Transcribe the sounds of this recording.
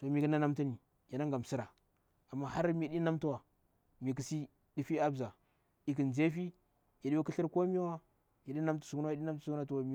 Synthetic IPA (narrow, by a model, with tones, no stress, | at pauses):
to˨mi˨ki˦na˦na˦mtu˦ni˨ | ja˨na˦ŋ˨ɡa˨m˨si˦ɾa˨ | a˨mːa˦ha˦ɾmi˨ɗi˦na˦mtu˦wa˨ | mi˨k̬i˨si˦ | di˦fi˦a˦bza˨ | i˨k̬i˨nze˦fi˦ | ja˨ɗi˦wu˦ki˦ɬi˦ɾko˦mi˦wa˦ | ja˨ɗi˦na˦mtu̥˦su˨kɗi˦na˦m˦tu˦su˦ku˦na˦tu˦wa˨mi˦